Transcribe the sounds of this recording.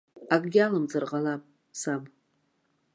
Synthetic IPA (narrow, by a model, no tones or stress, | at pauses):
akʼɡʲalamd͡zarʁalapʼ | sab